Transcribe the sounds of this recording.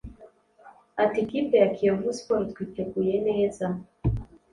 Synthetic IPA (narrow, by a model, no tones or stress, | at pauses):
atikipɛakʰiɔvuspɔɾtkitɛkujɛnɛːza